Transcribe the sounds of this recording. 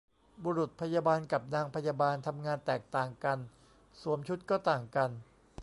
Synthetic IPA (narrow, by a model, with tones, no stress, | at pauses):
buː˧ɾu˨˩t̪̚pʰa˧jaː˧baː˧nka˨˩p̚naː˧ŋpʰa˧jaː˧baː˧nt̪ʰa˧mŋaː˧nt̪ɛː˨˩k̚t̪aː˨˩ŋka˧n | su˨˩˦mt͡ɕʰu˦˥t̪̚kɔː˥˩t̪aː˨˩ŋka˧n